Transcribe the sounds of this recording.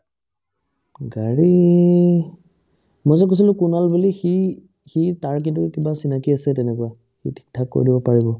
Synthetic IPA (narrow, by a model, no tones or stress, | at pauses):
ɡaɹi | mɔjzɔk̬os̬ilʊ̃kunalbulixi | xitaɹk̬intukibasinakiasɛtɛnɛkʊwa | xḭtʰi̥k̚tʰakːo̰ɹidibɔpaɹibɔ